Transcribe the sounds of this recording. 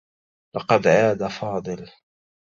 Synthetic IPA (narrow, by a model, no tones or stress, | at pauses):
lɑqɑd̪ʕaːd̪afɑːd̪ˤɨl